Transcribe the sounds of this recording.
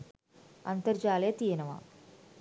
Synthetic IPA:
ɐ̰nt̪ɐɾd͡ʒaːleːt̪iːɐnɐʋa̰

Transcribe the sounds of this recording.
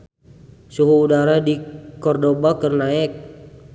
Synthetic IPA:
suɦuːdaɾadikɔrdobakərnaɛk̚

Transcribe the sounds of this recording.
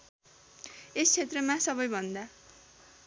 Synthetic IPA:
est͡sʰet̪rʌmasʌbʌjbʱʌnd̪a

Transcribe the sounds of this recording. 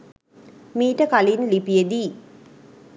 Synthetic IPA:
miːʈəkalinlipijed̪iː

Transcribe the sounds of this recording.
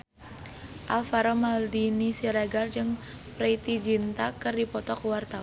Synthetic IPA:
ʔalfaɾɔmaldinisiɾaɡard͡ʒɨŋ | pɾɛit̪id͡ʒint̪akərdipɔt̪ɔkuwart̪a

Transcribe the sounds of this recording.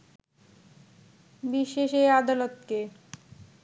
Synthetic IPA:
biʃeʃejad̪alot̪ke

